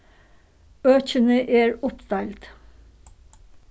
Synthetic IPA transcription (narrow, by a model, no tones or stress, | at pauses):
øːçənəʔeːɹʊpd̪̥ɑːlt̪